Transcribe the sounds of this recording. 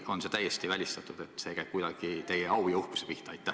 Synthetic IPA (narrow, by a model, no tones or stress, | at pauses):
o̞nse̞t̪æjːest̪ivælʲist̪ɑt̪ːˑud̪̥et̪ːˑse̞ːkæjb̥̚kujd̪̥ɑɡ̥it̪e̞jeɑwjɑuhku̥sepiht̪ɑɑjt̪ːˑæh